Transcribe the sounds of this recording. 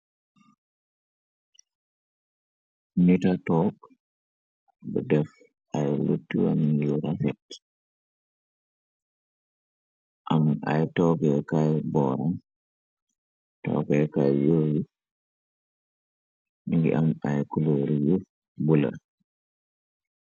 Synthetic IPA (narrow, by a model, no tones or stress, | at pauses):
nitatɔk | bɔ̰dɛf | ʔajlṵtːiwa̰mjuɾafɛt | ʔamʔa̰jtɔːɡɛkajbɔɾan | tɔ̰ɡɛkajjowu | iŋɡḭʔamajkuloɾiju | bula̰